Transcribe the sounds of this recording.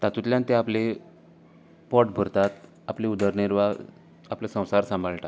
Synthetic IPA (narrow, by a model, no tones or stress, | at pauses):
t̪at̪ut̪lʲjãnt̪ẽaple | pɔʈbʱəɾt̪at̪ | apleud̪əɾɳeɾʋa | aplesə̃w̃saɾsãmbʱəɭʈa